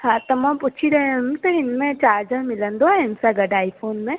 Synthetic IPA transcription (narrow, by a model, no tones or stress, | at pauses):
ɦãt̪ɐmãput͡ʃʰiɾent̪oɪnmẽt͡ʃaːɾd͡ʒəɾmɪlənd̪oaɪnsaɡɐɖaːipʰoːnmẽ